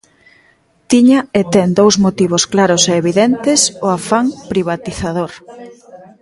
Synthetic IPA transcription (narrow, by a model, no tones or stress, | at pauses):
t̪iɲaet̪ɛŋd̪owzmot̪iβ̞ʊsklaɾʊseːβiðɛnt̪ɪsʊafaŋpɾiβat̪iθaðoɾ